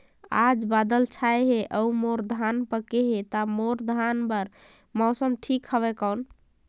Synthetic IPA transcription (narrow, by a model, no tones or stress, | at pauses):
ad͡ʒbad̪əlt͡ʃʰajɦeʔəumoɾd̪ʱanpəkeɦet̪amoɾd̪ʱanpəɾ | mɔsəmʈʰikhəβɛkəwn